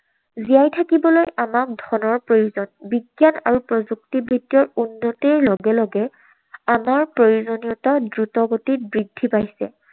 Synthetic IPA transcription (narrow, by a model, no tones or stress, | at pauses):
zijajtʰakibɔlojʔamak̚dʱɔnɔɹpɹojuzɔnbiɡjana̰ɹupɹɔzuk̚tibɹidjɔɹunːɔtɛɹlɔɡɛlɔɡɛ | amaɹpɹojuzonijɔtadɹutɔɡotit̚bɹidʱːipajsɛ